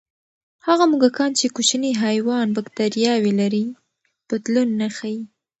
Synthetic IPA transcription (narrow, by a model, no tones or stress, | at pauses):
haɣamuɡakɑnt͡ʃekut͡ʃniɦajwɑnbakt̪aɾjɑwelaɾi | pat̪lunːaxaji